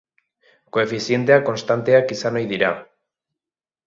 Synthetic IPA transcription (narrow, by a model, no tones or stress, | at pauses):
koefiθjent̪̬eako̞nst̪ant̪eakisanojðiɾa